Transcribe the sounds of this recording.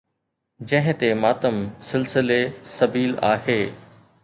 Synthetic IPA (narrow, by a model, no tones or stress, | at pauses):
d͡ʑɐ̃ɦɪ̃t̪emaːt̪əmsɪlsɪlesɐbiːla̰ːɦeː